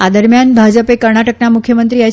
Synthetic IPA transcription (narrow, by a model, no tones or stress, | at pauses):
ad̪əɾmjanbʱad͡ʒəpekəɾɳaʈəknamukʰjəmənt̪ɾia